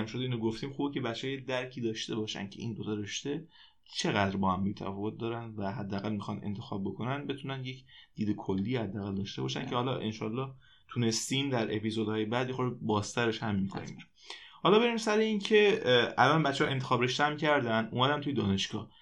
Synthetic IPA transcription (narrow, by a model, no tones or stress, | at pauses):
mʃod̪einoɡoft̪iːmxuːbecʰe̞bæt̪t͡ʃːehɔjed̪æɾcʰiːd̪ɒːʃt̪e̞bɒːʃæ̰n̥cʰe̞ʔḭːnd̪ot̪ʰɒɾe̞ʃt̪e̞ | t͡ʃʰe̞ɣæd̪ɾbɒːhæmbiːt̪ʰæ̰fɒːvot̪̚ʰd̪ɒːɾænd̪væɦæd̪ːæːɣælmixɒnḛnt̪ʰexɒ̰ːb̚bokʰo̞nænd̪be̞t̪ʰunænje̞cd̪̥iːd̪ekʰolːiːhæd̪ːæːɣæld̪ɒːʃt̪e̞bɒːʃæ̰ncʰe̞hɒlɒʔḛnʃɒ̰ːlːɒːh | t̪ʰune̞st̪iːmd̪æɾʔe̞pizod̪hɒːjebæd̪jexoɾbɒːst̪ʰæɾeʃhæmːiːkʰo̰nḭm | hɒlɒːbe̞ɾimsæɾeincʰe̞ʔælɒnbæt̪t͡ʃehɒent̪ʰexɒːbɾe̞ʃt̪eæmcʰæɾd̪ænd̪ʔṵmæd̪ænt̪ʰuje̞d̪ɒːne̞ʃɡ̥ɒ̰ːh